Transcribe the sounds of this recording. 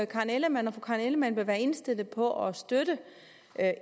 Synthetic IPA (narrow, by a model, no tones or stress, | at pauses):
kʰɑ̈neləmænɒfukʰɑ̈ːneləmænʋ̥e̝ʋæːɐe̝nsd̥e̝l̰ð̩ˠpʰɒ̽ʔɒsd̥øɾ̥ə